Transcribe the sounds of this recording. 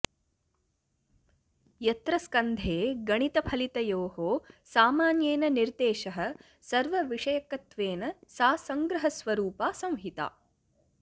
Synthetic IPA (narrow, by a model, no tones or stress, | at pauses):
jɐt̪ɾɐskɐnd̪ʱeːɡɐɳit̪ɐpʰɐlit̪ɐjoːhoːsaːmaːnjeːnɐniɾd̪eːʃɐɦɐ̆ | sɐɾʋɐʋiʂɐjɐkːɐt̪ʋeːnɐsaːsɐŋɡɾɐɦɐsʋɐɾuːpaːsɐ̃w̃ɦit̪a̰ː